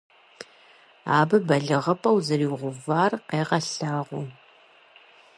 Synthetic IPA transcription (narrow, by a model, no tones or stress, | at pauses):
aːbɨbɐɮɨʁɐpʰʼɐwzɨriːʁʷʊvaːrqeːʁɐɬaːʁʷʊ